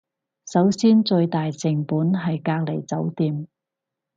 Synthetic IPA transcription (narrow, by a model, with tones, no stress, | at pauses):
sɐ˨˥wsiː˥nt͡ʃɵ˧ɥt̪aː˨jt͡sɪ˨˩ŋpuː˨˥nɦɐ˨jkaː˧k̚le˨˩jt͡sɐ˨˥wt̪iː˨˧m